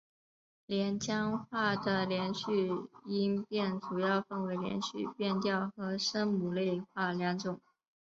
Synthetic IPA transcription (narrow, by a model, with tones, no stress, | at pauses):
ljɛ˧˥nt͡ɕjɑ˥ŋxwa˥˩d̪ə˩ljɛ˧˥nɕy˥˩i˥npjɛ˥˩nʈ͡ʂu˨˩jɑ˥˧ʊfɤ˥˩ŋwe˧˥ɪljɛ̰˧˥nɕy̰˥˧pjɛ˥˧nt̪jɑ˥˩ʊxɤ˧˥ʂə˥ŋmu˨˩le˥˧ɪxwa˥˩ljɑ˧˥ŋʈ͡ʂʊ˨˩˦ŋ